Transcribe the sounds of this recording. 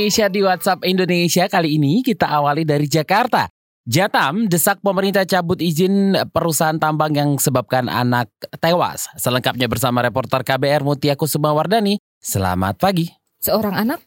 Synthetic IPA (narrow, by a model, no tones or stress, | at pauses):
esiadiwat̪̚sapindonesiakaliːnikit̪aʔawalidaɾid͡ʒakart̪a̰ | d͡ʒat̪amdəsak̚pəməɾint̪at͡ʃabʊt̪izɪnpəɾusaɦant̪ambaŋjaŋsəbap̚kana̰nak̚t̪ewa̰sːələŋkap̚ɲabərsamaɾepɔrt̪ərkabeɛrmut̪iakusəmawardani | səla̰ma̰t̪̚paɡi | səoɾaŋanak̚